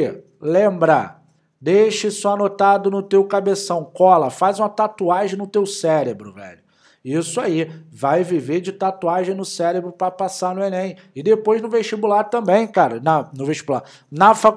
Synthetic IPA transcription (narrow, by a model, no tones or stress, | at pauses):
lẽmbɾa̰ | d̪ejʃɐsɔanot̪ad̪ʊnʊt̪ewkabesɐ̃w̃kɔlɐfazũmɐt̪at̪uaʒẽj̃nʊt̪ewsɛɾebɾʊvɛ̰ʎʊ | isʊaivajvived͡ʒɪt̪at̪uaʒẽj̃nʊsɛɾebɾʊpɾɐpasanʊenẽj̃ | ɪd̪epojznʊ̃veʃt͡ʃibulaɾt̪ɐ̃bẽj̃kaɾɐnɐnʊveʃt͡ʃibulaɾ | nɐfa